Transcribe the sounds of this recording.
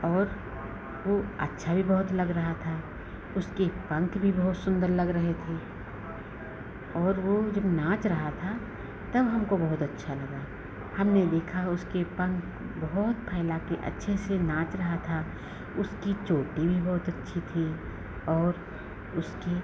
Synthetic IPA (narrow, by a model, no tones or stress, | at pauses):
ɔːɾ | ʋoɐ̰tːʃʰabʱibɐɦʊt̪lɐɡɾɐɦat̪ʰa | ʊskepɐ̃ŋkbʱibɐɦʊt̪sʊ̃nd̪əɾlɐɡɾɐɦet̪ʰeː | ɔːɾʋod͡ʒɐbnãːt͡ʃɾɐɦat̪ʰa | t̪ɐbɦɐmkobɐɦʊt̪ɐtːʃʰalɐɡaː | hɐmned̪eːkʰaʊskepɐ̃ŋk | bɐɦʊt̪̚pʰɛːlakeʔɐ̰tːʃʰesenãːt͡ʃɾɐɦat̪ʰa | ʊskit͡ʃoːʈibʱibɔɦʊt̪ɐtːʃʰit̪ʰi | ɔːɾ | ʊske